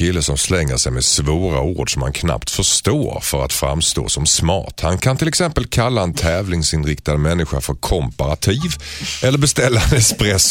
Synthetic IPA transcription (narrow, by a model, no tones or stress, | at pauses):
ɪlːəsɔmslɛŋːə̰ʂɛjmɛsvoːɾa̰ṵːɖʂɔmha̰nkʰna̰pt̪fœʂt̪oːɾfœɾa̰t̪fɾa̰mːst̪o̰ːsɔmsmɑ̰ːʈ̪hankʰant̪ʰɪlɛksɛmpəlkʰalːaɛnt̪ʰɛːvlɪŋsɪnɾɪkt̪ad̪mɛnːɪɧa̰fœɾkʰɔmpaɾat̪ʰiːvɛlːəɾbɛst̪ɛlːanɛkspɾɛs